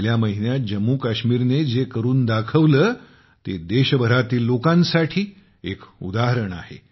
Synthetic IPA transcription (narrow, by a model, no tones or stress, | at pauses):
ljaməɦinjat̪̚d͡ʑəmːukaɕmiːɾned͡zekəɾuːnd̪akʰəʋləː | t̪ed̪eɕbʱəɾat̪iːlːokãnsaʈʰiː | ekṵd̪aɦəɾəɳa̰ɦḛ